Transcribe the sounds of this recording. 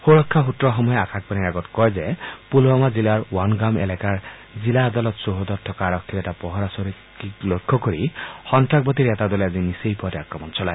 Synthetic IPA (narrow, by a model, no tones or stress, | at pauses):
hoɾɔkʰːaɦut̪ɾɔɦɔmɔjeakʰak̚paniɾaɡɔt̪kɔjzepulbɔmad͡ʒilaɾwanɡamḛlakaɹ | d͡ʒilaːd̪alɔt̪soɦɔd̪ɔt̪ʰɔkaːɾɔkʰːiɾɛt̪apɔɦɔɾasɔɾi | iklokʰːɔkɔɾixɔntɾak̚bɔt̪̬iɾet̪ad̪ɔleazinisejpɔɾeakɾɔmɔnt͡ʃɔlae